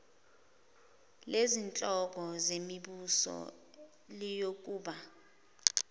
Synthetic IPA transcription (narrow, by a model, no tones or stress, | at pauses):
lezint͡ɬʼɔk̬ɔzemiɓusɔ̰ | lijok̬ʼuːɓa